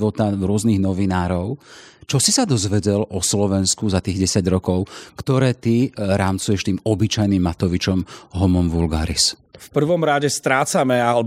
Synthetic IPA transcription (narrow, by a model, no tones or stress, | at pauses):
ʋɔt̪aɾʊɔzniːɣnɔʋinaːɾɔʊt͡ʃɔsisad̪ɔzʋɛɟɛlɔslɔʋɛnskuzat̪iːɣɟɛsaɟɾɔkɔʊkt̪ɔɾɛːt̪iɾamt͡sujɛʃt̪iːmɔbit͡ʃajnimːat̪ɔʋit͡ʃɔmɦɔmɔnʋulɡa̰ɾḭsfpr̩ʋɔmɾaɟɛst̪ɾaːt͡samɛalɛ